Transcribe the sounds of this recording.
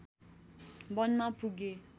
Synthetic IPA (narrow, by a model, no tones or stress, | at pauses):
bɔnːãpuɡe